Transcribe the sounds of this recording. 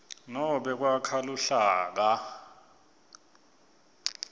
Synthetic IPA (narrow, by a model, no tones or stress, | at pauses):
nɔɓɛk̬wakʰaluɬaːk̬a